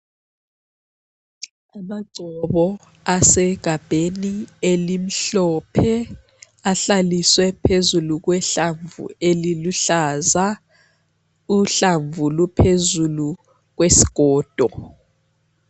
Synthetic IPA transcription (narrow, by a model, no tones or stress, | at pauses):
amaǀʱɔβɔ | asɛɡ̥ʱab̥ʱenielim̩ɬɔpʰɛ | aɬaliswɛpʰezuluɣ̬wɛɬaɱvṵeliluɬaza | uɬaɱvulupʰezulu | ɣ̬wesi̥ɣ̥ʱɔːd̥ʱɔ